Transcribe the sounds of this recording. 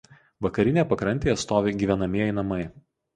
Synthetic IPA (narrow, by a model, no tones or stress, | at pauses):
ʋɐkɐɾʲɪnʲeːpɐkɾɐnʲt̪ʲeːɐt̪st̪oːʋʲeːɡʲiːʋʲɛnɐmʲiɛjɛɪnɐmɐɪ